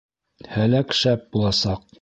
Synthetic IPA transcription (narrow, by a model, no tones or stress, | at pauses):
hælækʃæp̚bulˠɑsɑq̚